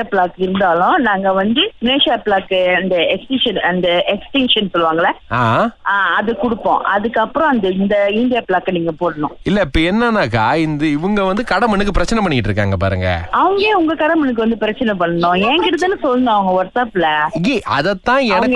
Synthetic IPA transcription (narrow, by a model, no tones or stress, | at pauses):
apɭaːkɪɾɯnd̪aːlʊ̃naːŋɡɐʋɐnd̪ɯmɪleːʂjaːpɪɭaːkːɯɐnd̪ɐɛksʈɪʂɐnɐnd̪ɐɛksʈɪŋʂɐnsɔlːɯʋaːŋɡɐɭɐaːɐðɯkʊɽɯpːõ̰ːʔɐðɯkːɐpːɯɾɔ̃ɐnd̪ɐɪnd̪ɐɪnd̪ɪjaːpɭaːkːniːŋɡɐpoːɽɐnʊ̃ɪlːɛɪpːoɛnːɐnaːkːaːɪnd̪ɯɪʋɯŋɡɐʋɐnd̪ɯkɐɽɐmɐɳːɯkːɯpɪɾɐt͡ʃːɐnɛp̬ɐɳːɪkːɪʈːɾɯkːa̰ːŋɡɐpa̰ːɾɯ̰ŋɡɐ̰ɐʋɯŋɡeːʊŋɡɐkɐɽɐmɐɳːɯk̬ːɯʋɐnd̪ɯpɪɾɐt͡ʃːɐnɛpɐɳːɐnʊ̃ːɛ̃ːkɪɽɐðɯːnːɯsɔlːɐñːɐʋɐŋɡɐʋɐʈsaːpːɪlɐeːɐðɛt̪ːãːɛnɐɡ